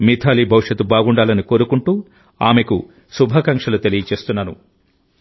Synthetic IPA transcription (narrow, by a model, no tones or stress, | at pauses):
mit̪ʰaːlibʱɐwuʂɐt̪ːubaːɡuɳɖaːlɐniko̞ːɾukuɳʈuː | aːmeku | subʱɐkɐŋkʂɐlut̪e̞lijɐt͡ʃe̞ːst̪unːɐnṵ